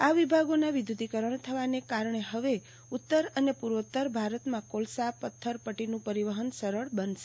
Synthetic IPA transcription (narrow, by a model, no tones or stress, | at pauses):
aʋibʱaɡonaʋid̪ʱjud̪ikəɾəɳ̃t̪ʰəʋanekaɾɳeɦəʋe | ut̪ːəɾənepuɾʋət̪ːəɾbʱaɾət̪mãkolsapət̪ʰːəɾpəʈinũpəɾiʋəɦənsəɾəɭbənʃe̥